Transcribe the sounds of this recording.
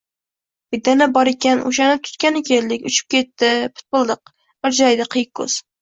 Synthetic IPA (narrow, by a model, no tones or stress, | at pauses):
bɪd̪ːanabɒɾekʲanʔo̰ʃ̬anɪp̚t̪ʰʊ̥t̪kʲanɪkʲʰe̞ld̪ɪkʲʊt͡ʃʰɪ̥p̚kʲe̞t̪ːɪpʰɪ̥t̪̚bɨlˠd̪ɨq | bɪɾd͡ʒajd̪ɪqʰɨjɪk̚ʲkʰːɵ̰z̥